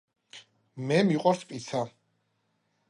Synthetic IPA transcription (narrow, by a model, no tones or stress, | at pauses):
mɛmiqʼɔɾspʼisʰa